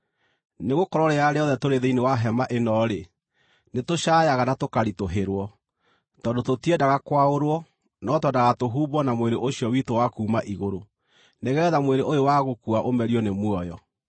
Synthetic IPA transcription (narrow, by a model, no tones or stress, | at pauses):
neɣokɔɾɔɾeaɾeɔðɛtoɾeðeinewaɦɛmaʔenɔɾe | netoɕajaɣanatokaɾitoɦeɾwɔ | tɔndototiɛdaɣakwaoɾwɔ | nɔtwɛdaɣatoɦuːbɔnamweɾeʔoɕjɔwitowakuːmaʔiɣoɾo | neɣɛːðamweɾeʔojowaɣokuaʔomɛɾijɔnemwɔjɔ